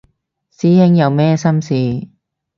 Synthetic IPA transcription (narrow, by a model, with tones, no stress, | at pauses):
siː˨˥hɪ˧˥ŋjɐ˨˧wmɛː˥sɐ˥msiː˨˧